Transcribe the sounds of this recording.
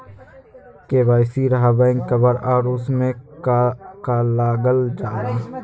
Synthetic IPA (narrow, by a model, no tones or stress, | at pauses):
keːbaːjsiɾɐɦabəɪ̃ŋɡkəbəɾaːɾʊsmẽ | kalaːɡəld͡ʒaːɾaː